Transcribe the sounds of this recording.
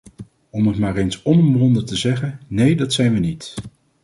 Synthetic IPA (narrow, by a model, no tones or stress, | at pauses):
ɔmətmaːrejnsɔnəmblɔndətəzɛχənnejdɑtsɛjnʋənit